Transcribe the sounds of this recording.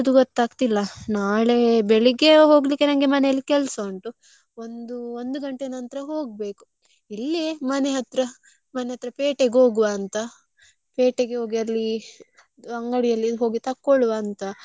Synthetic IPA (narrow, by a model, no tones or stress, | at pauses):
ɐd̪uɡot̪ːaːɡt̪ilːɐnaːɭe̞beɭiɡe̞ɦo̞ːɡlikːe̞nɐŋɡe̞mɐnejɐlːikɛlso̞ːɳʈu | o̞nd̪uond̪uɡɐɳʈenɐnt̪ɾɐɦo̞ːɡ̚be̞ːku̥ | ilːimɐneɦɐt̪ɾɐ | mɐneɦɐt̪ɾɐpeːʈeɡɦo̞ːɡuʋaːnt̪ɐ | peːʈeɡeɦoːɡiɐlːi | ɐŋɡɐɽijɐlːid̪uɦoːɡit̪ɐkːɔɭuʋaːnt̪ɐ